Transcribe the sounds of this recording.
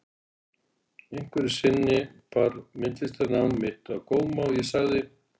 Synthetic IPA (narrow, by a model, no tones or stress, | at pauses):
ejŋ̥kvɛɾɪ̥sɪnːɪpaɾmɪnt̪lɪst̪anawmːɪht̪akoːwmawɪsaɣðɪ